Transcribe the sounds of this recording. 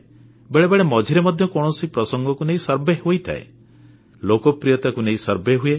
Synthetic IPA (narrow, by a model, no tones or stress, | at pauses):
beɭebeɭemɔd͡ʒʱiɾemɔd̪ʱjɔkɔɽ̃ɔsipɾɔsɔŋɡɔkuneĩsɔɾbeɦojt̪ʰa̰ḛ | lokɔpɾijɔt̪akuneĩsɔɾbeɦue